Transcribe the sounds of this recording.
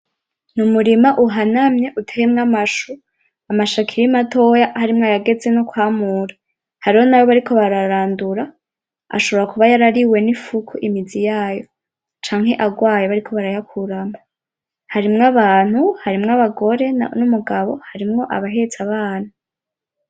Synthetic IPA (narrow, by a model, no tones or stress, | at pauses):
numuɾimaʔuɦanamɲe̞ʔutʰeemŋamaʃu | amaʃakʰiɾimatʰo̞jahaɾimŋoajaɡe̞d͡ze̞nokwaːmuːɾḁ | haɾiho̞nawo̞βaɾikʰo̞βaɾaɾaːnduɾa | a̰ʃo̞βo̞ɾakuβajaɾaɾiwe̞nifukʰuʔimid͡zijaːjo̞ | t͡ʃaːŋ̥he̞ʔaɡwaːjeβaɾikʰo̞βaɾajakʰuɾama | haɾimŋaβaːn̥huhaɾimŋaβaɡo̞ɾe̞numuɡaβo̞haɾimŋo̞ʔa̰βaɦe̞t͡saβaːna